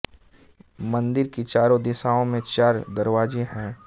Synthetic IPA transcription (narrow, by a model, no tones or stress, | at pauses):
mɐ̃nd̪ɪɾkit͡ʃaːɾõd̪ɪsaːõmẽt͡ʃaːɾd̪ɐɾʋaːd͡ʒeɦɛ̃ː